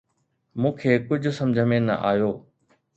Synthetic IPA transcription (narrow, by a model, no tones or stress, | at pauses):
mũːkʰeːkʊd͡ʑʱʊ̆sɐ̃md͡ʑʱəmẽnɐ̰ʔaːjoː